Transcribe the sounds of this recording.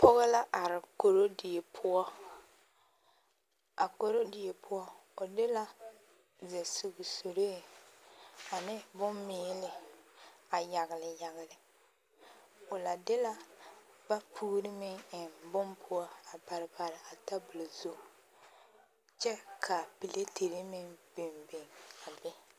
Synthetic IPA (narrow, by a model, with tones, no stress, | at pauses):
pʊ˦ɣɪ˦la˦ʔa˨ɾɪ˨ko˨ɾo˦dɪ˨e˨pʰʊ˦ɔ˦ | a˨ko˨ɾo˦dɪ˨e˨pʰʊ˦ɔ˦ | o˨dɪ˦la˦ | zɛ˨su˨ɡso˨ɾeː˦ | a˨nɪ˦bʊ˦mmɪː˦lɪ˦ | a˨ja˨ɣɪ˨lɪ˨ja˨ɣɪ˨lɪ˨ | ʊ˨la˨dɪ˦la˦ba˦pʰuː˦ɾɪ˦mɪ˦ŋɪ˨nbʊ˦mpʰʊ˦ɔ˦a˨ba˨ɾɪ˨ba˨ɾɪ˨a˨ta˦bʊ˨lo˨zu˦˨ | t͡ʃɛ˦kʰa˨pi˨le˦te˨ɾi˦mɪ˦ŋbe˨mbe˨ŋa˨bɪ˦